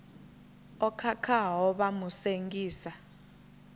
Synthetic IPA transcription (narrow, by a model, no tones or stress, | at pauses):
ɔkʰakʰaɦɔɓamuseŋɡʼiːsa